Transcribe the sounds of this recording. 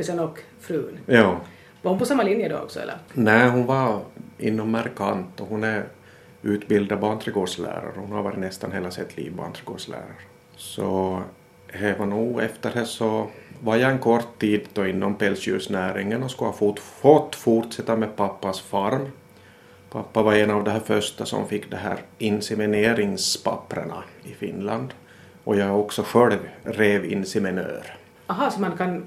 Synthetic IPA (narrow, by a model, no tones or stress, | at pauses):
ɪsənɔk | fɾʉːnjɑː | vaɾhʊnpɔsamːalɪnjəd̪ɔ̰ɔ̰ksɔ̰ɛ̰lːə̰ɾnæːɦʊnvaɾɪnːɔmmæɾkʰant̪ɔɦʊnæɾ | ʉ̟ːt̪bɪld̪aant̪ɾɪɡoːɖʂlæ̰ːɾa̰ɾhʊnhaɾvɑːɾɪt̪nɛst̪anɦeːlasɛt̪ːʰlḭːvba̰nt̪ʰɾɪɡo̰̥ːʂlæ̰ːɾaɾə | sɔ | hɛvanuːɛft̪əɖɛsɔvaɾjɑːɛnkʰɔrt̪ʰːiːd̪d̪ɔɪnːɔmpɛlsɪʉ̰ːʂnæːɾɪŋːənɔskɵhɑfufɔt̪ːfuʈʂɛt̪ːamed̪̚pʰapːasfaɾm | pʰapːavaɾɛnavd̪ɛɦæːɾfœʂt̪asɔ̰mfɪkːd̪ɛɦæ̰ːɾɪnsɛmɪneːɾɪŋspʰa̰pːɾə̰ɳa̰ɪfɪ̰nland̪ | ʔɔjɑːɔksɔɧɛlvɾeːvɪ̰nːsɛmɪnø̰ːɾ | ɑɦɑsɔmankʰan